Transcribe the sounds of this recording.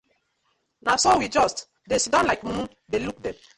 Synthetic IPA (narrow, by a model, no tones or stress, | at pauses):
nasɔwid͡ʒɔst | desidɔ̃nlaɪkm̩u | deluk̚dem